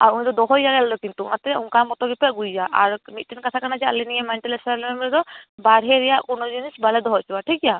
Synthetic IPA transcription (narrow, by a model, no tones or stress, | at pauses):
a̰ɾũid̪ɔd̪ɔɦɔjd͡ʒaɾɛld̪ɔkint̪ṵmat̪ɾɛuŋkaɾmɔt̪ɔɡipɛɡujd͡ʒaʔa̰ɾmit̪̚ʈinkat̪ʰakanad͡ʒɛa̰liniɛmaɳʈɛlɛsɔɾaliɔmid̪ɔbaɽ̤ɛɾɛjaʔkɔnɔd͡ʒinisbalɛd̪ɔɦɔt͡ʃʰibaʈʰikja